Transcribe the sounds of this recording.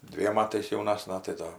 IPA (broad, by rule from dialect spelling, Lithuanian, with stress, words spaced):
ˈdʲʋʲiɛm ˈmɑːtɐɪs jɛʊˈnɑːsnɐ tɐɪ ˈdoː